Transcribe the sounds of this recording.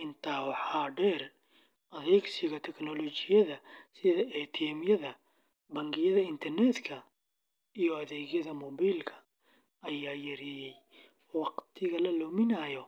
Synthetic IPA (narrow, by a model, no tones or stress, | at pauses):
ʔɪnt̪ʰaːwɑħaːɖɛr | ʔɐðɛɡsɪɣɐt̪ʰɛknɔlɔt͡ʃɪjɐðɐsɪðɐɛt̪ʰɛːmjɐðɐ | bɐŋɡɪjɐðɐɪnt̪ʰɐrnɛːd̪kʰɐ | ijɔɐðɛːɣjɐðɐmɔβiːlkʰɐ̥ | ɐjaːjɐɾɪjɛj | wɑqt̪ʰɪɣɐlɐlɔːmɪnɐːjɔ